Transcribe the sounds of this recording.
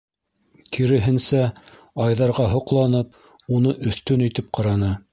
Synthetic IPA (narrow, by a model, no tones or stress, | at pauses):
kiɾɘ̆ɦɘ̆nsæ | ɑjðɑɾʁɑɦŏqlˠɑnɤp̚ | unɤʔɵ̆θt̪ɵnɵ̆jt̪ɘp̚qɑɾɑnɤ